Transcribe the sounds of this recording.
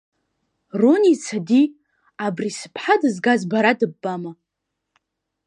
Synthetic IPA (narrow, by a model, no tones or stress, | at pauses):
ronit͡sʰadi | abrisɨ̥pʰħadɨzɡazbaɾadɨbːama